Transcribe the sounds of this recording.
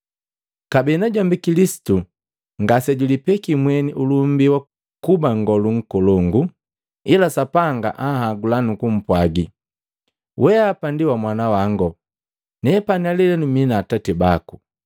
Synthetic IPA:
kabɛnaɟambikilisi̥tu | ŋɡasɛɟulipɛkimwɛniʔulum̩biwa | kubaŋ̩ɡɔluŋ̩kɔlɔŋɡu | ilasapaŋɡa̰ʔahaɡulanukum̩pwaɡi | wʔɛapandiwamwanawaŋɡɔ | nɛpanialɛlɛnuminaːtatibaku

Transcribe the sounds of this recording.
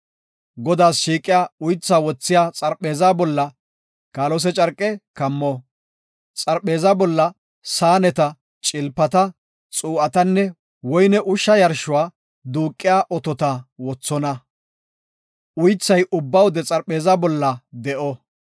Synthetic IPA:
ɡɔd̪aːsʃiːkʼːɪjaːʊjt͡sːaːwɔt͡sːɪjaːt͡sʼɐɾpʼːeːzabɔlːɐ | kaːlɔs̬ɛt͡ʃʼɐɾkʼːɛkɐmːɔ | t͡sʼɐɾpʼe̞ːzabɔlːɐ | saːnɛt̪ɐ | t͡ʃʼɪlpːɐt̪ɐ | t͡sʼuːʔɐt̪ɐnːɛ | wɔjnɛʔʊʃːɐjɐɾʃʊwaː | d̪uːkʼːɪjaːʔɔt̪ɔt̪ɐwɔt͡sːɔnɐ | ʔʊjt͡sːɐjʔʊbːɐwʊd̪ɛt͡sʼɐɾpeːzabɔlːɐd̪ɛʔɔ

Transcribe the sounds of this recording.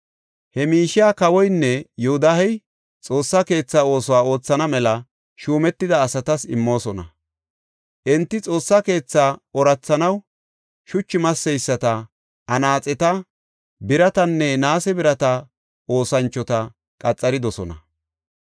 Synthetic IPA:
hɛmiːʃɪjaːkɐwɔjnːɛjɛhʊd̪ahɛj | t͡sʼo̞ːsːake̞ːt͡sːaːo̞ːsɔwaːo̞ːt͡sːɐnɐmɛlɐ | ʃuːmɛt̪ːɪd̪ɐːsɐt̪ɐsɪmːo̞ːsɔnɐ | ʔɪnt̪ːɪt͡sʼo̞ːsːake̞ːt͡sːaːɔɾɐt͡sːɐnɐw | ʃʊt͡ʃːɪmɐsːɛjsːɐt̪ɐ | ʔɐnaːt͡sʼɛt̪ɐ | bɪɾɐt̪ɐnːɛnaːsɛbɪɾɐt̪ɐ | o̞ːsɐnt͡ʃːɔt̪ɐ | kʼɐt͡sʼːɐɾɪd̪ɔsɔnɐ

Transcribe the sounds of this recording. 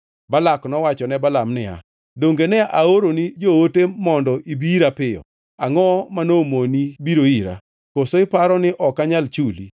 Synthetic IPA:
balaknɔwat͡ʃɔnɛbalamnɪa̰ | doŋɡenɛʔaoɾonid͡ʒootemɔndɔʔibiiɾapɪjɔ̰ | aŋɔmanomonibiɾoiɾa̰ | kosoɪpaɾɔnɪʔɔkaɲalt͡ʃulḭ

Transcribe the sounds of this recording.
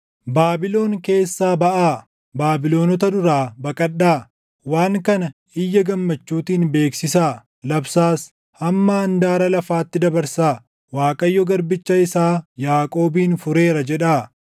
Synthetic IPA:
baːbɪlo̞ːŋke̞ːsːaːbɐʔaː | baːbɪlo̞ːnɔt̪ɐd̪ʊɾaːbɐkʼɐɗːaː | waːŋkɐnɐ | ɪjːɐɡɐmːɐt͡ʃːuːt̪iːnbe̞ːksɪsaː | lɐbsaːs | hɐmːɐɐnd̪aːɾɐlɐfaːt̪ːɪd̪ɐbɐɾsaː | waːkʼɐjːɔɡɐɾbɪt͡ʃːɐɪsaːjaːkʼo̞ːbiːnfʊɾe̞ːɾɐd͡ʒɛᶑaː

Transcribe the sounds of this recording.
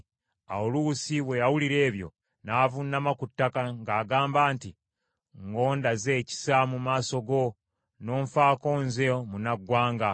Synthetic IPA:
a̰olusiwe̞jawuliɾe̞ːβjo̞̰ | naːvunːamakutːakaŋɡaːɡaːmbaːnti | ŋɡo̞ːndaze̞ːci̥samumaːso̞ɡo̞ | no̞ːɱfaːko̞ːnzemunaɡwaːŋɡa

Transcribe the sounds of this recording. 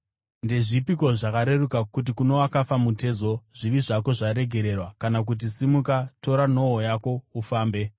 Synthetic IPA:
nde̞ʐipiko̞ʐakaɾe̞rukakut̬ikuno̞wakafamute̞ːzo̞ʐiʋiʐako̞ʐaɾe̞ɡʱe̞ɾe̞rwakanak̬ut̬isimukato̞ɾano̞ɦojako̞ufaːmbe̞

